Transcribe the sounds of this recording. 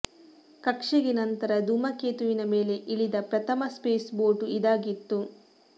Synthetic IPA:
kɐkʂeɡenɐnt̪ɐɾɐd̪umɐkeːt̪uʋinɐme̞ːle̞ʔiɭid̪ɐpɾɐt̪ʰɐmɐspeːsbo̞ːʈuid̪aːɡit̪ːu

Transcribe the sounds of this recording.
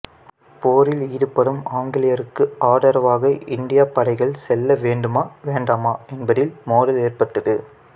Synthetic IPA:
poːɾɪliːðɯpːɐɽɯmaːŋɡɪlɪjɐɾɯkːɯaːɽɐɾɐʋaːɣɐɪnɖɪjaːpɐɽɐɪɣɐɭsɛlːɐʋeːɳɖɯmaːʋeːɳɖaːmaːɛnbɐðɪlmoːðɐleːrpɐʈːɐðɯ

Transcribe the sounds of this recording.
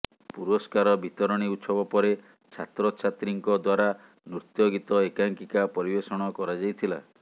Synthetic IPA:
puɾɔskaɾɔbʱit̪ɔɾɔɽ̃iut̪sɔbapɔɾe | t͡ʃʰat̪ɾɔt͡ʃʰat̪ɾiŋkɔd̪waɾa | nɾut̪jɔɡit̪ɔekaŋkikapɔɾibesɔɽ̃ɔkɔɾad͡ʒajt̪ʰila̰

